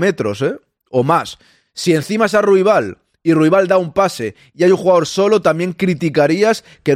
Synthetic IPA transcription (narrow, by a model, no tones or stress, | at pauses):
met̪ɾo̞̰se | omasː | ie̞n̟θimasaruiβ̞al | iruiβ̞ald̪aumpase | iajuŋxuɣaðo̞ɾso̞lot̪amje̞ŋkɾit̪ikaɾias | ke̞